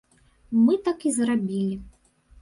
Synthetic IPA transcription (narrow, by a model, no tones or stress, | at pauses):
mɨt̪akizrabʲilʲi